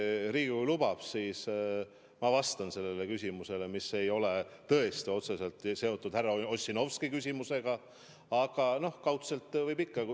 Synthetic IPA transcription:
ɾiːɡikujlub̥ɑb̥siːs | mɑvɑst̪ɑnse̞lːe̞le̞kysʲimuse̞le̞mise̞jo̞le̞t̪ɤ̞e̞st̪io̞t̪se̞se̞lt̪ˑse̞o̞t̪ːˑud̪̥hærːɑosʲːino̞vskikysʲimuse̞ɡ̥ɑ | ɑɡ̥ɑno̞hkɑwt̪se̞lt̪ːˑvɤjpikːɑ

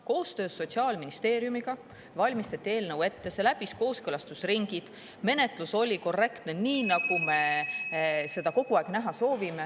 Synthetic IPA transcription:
ko̞ːst̪øːsːo̞t̪ʲsiɑːlminist̪e̞ːɾjumiɡ̥ɑ | vɑlʲmist̪ɑt̪ʲːie̞ːlnɤwe̞t̪ːe̞se̞læb̥isko̞ːskɤlɑst̪usriŋɡ̥id̪̥ | me̞ne̞t̪ˑluso̞lʲiko̞rːe̞kt̪neniːnɑɡ̥ume̞ | se̞d̪̥ɑko̞ɡ̥uɑˑeɡ̥næɦɑso̞ːvime

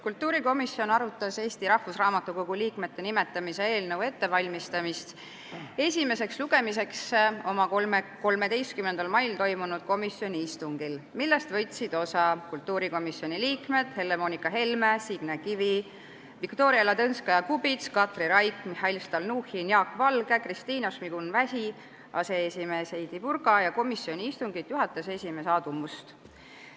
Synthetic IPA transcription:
kult̪ːuːɾiko̞misio̞nɑɾut̪ːˑɑse̞ːst̪iɾɑhfusrɑːmɑt̪ːˑukoɡ̥uliːkme̞t̪ːe̞nime̞t̪ːˑɑmisee̞ːlnəwe̞t̪ːe̞vɑlʲmist̪ɑmist̪ | e̞sʲime̞se̞ksluɡ̥e̞mise̞kso̞mɑko̞lme̞d̪e̞jst̪̚kymːend̪̥ɑlmɑjlt̪o̞jmunud̪̥̚ko̞misjo̞nʲiist̪uŋɡ̥ilmilːe̞st̪vɤ̞jt̪sid̪̥o̞sɑkult̪ːˑuːɾiko̞misːjo̞nʲiliːkme̞d̪̥he̞lːe̞mo̞nikːˑɑɦe̞lmesiɡ̥nekivi | vikt̪o̞ːɾiɑlɑt̪ɤnskɑjɑkubit̪skɑt̪riɾɑjt̪mihɑilst̪ɑlnuhiniɑkːvɑlɡ̥ekrist̪iːnosmiɡ̥unvæsi | ɑse̞esʲime̞ːsejd̪̥ipurɡɑjɑko̞misːio̞nʲiist̪uŋɡ̥id̪̥juɦɑt̪ːˑese̞sʲime̞sɑːd̪̥umust̪

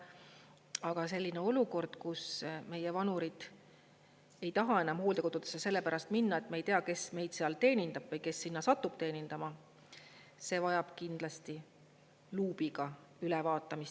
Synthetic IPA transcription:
ɑɡ̥ɑse̞lʲːineo̞luko̞rd̪̥kusme̞jevɑnuɾid̪̥ | e̞jt̪ɑɦɑe̞nɑmho̞ːld̪e̞kot̪ut̪esese̞lːepæɾɑst̪minːɑet̪meejt̪eɑke̞sme̞jd̪seɑlt̪e̞ːnind̪ɑb̥vɤjke̞sːinːɑsɑt̪ːˑub̥̚t̪e̞ːnind̪̥ɑmɑ | se̞ːvɑjɑb̥kind̪̥lɑst̪i | luːb̥iɡ̥ɑ | ylɛvɑːt̪ːˑɑmist̪

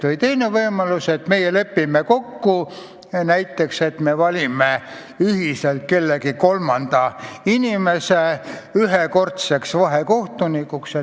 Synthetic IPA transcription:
t̪olit̪e̞jnevɤjmɑluset̪me̞jelepːimeko̞kːu | næjt̪ːekse̞t̪mevɑlʲime | yhiselt̪̚ke̞lːekiko̞lmɑnd̪̥ɑinimeseyɦeko̞rt̪seksvɑɦeko̞ht̪unikːukse

